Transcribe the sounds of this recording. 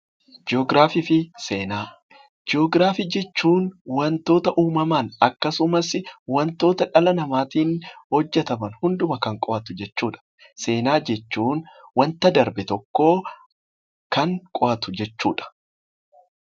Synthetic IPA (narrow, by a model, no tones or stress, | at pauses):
d͡ʒɪɔɡɾaːfiːfɪseːnaː | d͡ʒɪoːɡɾaːfiːd͡ʒɛt͡ʃːuːnwɐnt̪o̞ːt̪ɐʔuːmɐmaːnɐkːɐsʊmɐsɪwɐnt̪o̞ːt̪ɐᶑɐlɐnɐmaːt̪iːnhɔd͡ʒːɛt̪ɐmɐnhʊnd̪ʊmɐkɐŋkʼɔʔɐt̪ʊd͡ʒɛt͡ʃːuːᶑɐ̥ | se̞ːnaːd͡ʒɛt͡ʃːuːnwɐnt̪ɐd̪ɐɾbɛt̪ɔkːo̞ː | kɐŋkʼɔʔɐt̪ʊd͡ʒɛt͡ʃːuːᶑɐ̥